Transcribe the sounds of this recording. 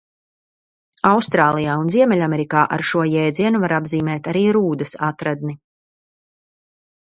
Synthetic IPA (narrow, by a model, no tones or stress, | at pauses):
awst̪ɾaːlˠijaːunziɛmɛʎʲamɛɾikaːʔa̰ɾʃuɔjɛːd̪ziɛnuvaɾabziːmɛːt̪aɾiːɾuːd̪ɐsat̪ɾad̪ni